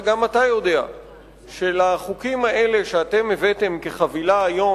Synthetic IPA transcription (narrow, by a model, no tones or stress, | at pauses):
ɡamat̪ajo̞de̞a̰ | ʃelaχukimaʔe̞le̞ʃeat̪e̞mevet̪e̞mke̞χavilaːjo̞